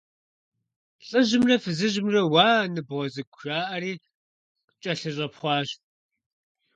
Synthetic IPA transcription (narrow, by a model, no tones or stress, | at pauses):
ɬʼɨʑɪmrɐfɨzɨʑɪmrɐwaːnɨbʁɔzɨɡʷʰʒ̥aːʔɐɾiː | t͡ʃʼɐɬɨɕʼɐpχʷɑːɕ